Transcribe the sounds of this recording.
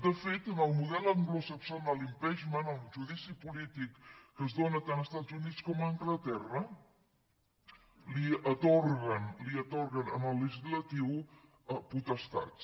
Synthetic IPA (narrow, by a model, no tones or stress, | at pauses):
d̪əfet̪ənəlˠmuðɛlˠəŋɡlusəksanəlimpɛʒmənəlˠʒuðisipulit̪ikːəzðonət̪anəst̪azunit͡skɔməŋɡlət̪ɛrə | liət̪orɣənliət̪oɾɣənənəlˠːəʒizlət̪iw | əput̪əst̪a̰t